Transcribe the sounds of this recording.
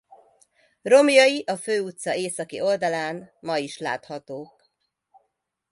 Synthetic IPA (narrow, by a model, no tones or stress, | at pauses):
ro̞mjɒjiʔɒføːut̪sɒeːsɒkḭo̞ld̪ɒlaːnmɒiʃla̰ːt̪hɒt̪oːk